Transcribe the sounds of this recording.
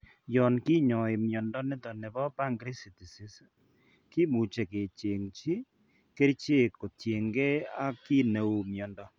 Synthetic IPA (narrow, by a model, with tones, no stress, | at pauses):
jɔ˨nki˦ɲɔ˨e˨mjɔ˨ndɔ˦nɪ˦tɔ˨ne˨bɔ˦pa˦ŋɡɾi˦si˨ti˨si˦s | ki˦mu˨t͡ʃe˨ke˨t͡ʃe˨ŋt͡ʃi˦ | ke˦ɾt͡ʃe˦ko˨tje˨ŋɡe˦a˦ki˦ne˨wu˨mjɔ˨ndɔ˦